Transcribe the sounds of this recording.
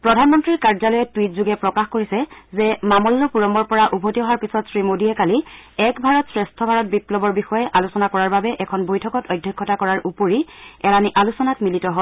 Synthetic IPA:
pɹɔdʱanmɔntɹiɹkaɹzalɔjɛtwitzuɡɛpɹɔkaxkoɹisɛzɛmamɔlːɔpuɹɔmɔɹpɔɹaʔubʱotiɔɦaɹpisɔtsɹimodiɛkali | ɛkbʱaɹɔtsɹɛstʰɔbʱaɹɔt̚biplɔbɔɹbixɔjɛʔalusɔnakɔɹaɹbabɛʔɛkʰɔnbojtʰɔkɔtɔjdʱːɔkʰːɔtakɔɹaɹʔupoɹiɛɹaniʔalusɔnatmilitɔɦɔl

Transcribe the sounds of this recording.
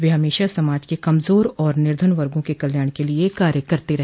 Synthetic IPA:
ʋeɦɐmeːʃasɐmaːd͡ʒkekɐmzoːɾɔːɾnɪɾd̪ʱənʋɐɾɡõkekɐljaːɽ̃keliekaːɾjəkɐɾt̪eɾɐɦ

